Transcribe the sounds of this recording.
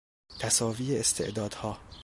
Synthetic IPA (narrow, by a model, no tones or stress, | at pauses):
t̪ʰæsɒːviːeest̪ʰe̞̰ʔd̪ɒːd̪̥hɒː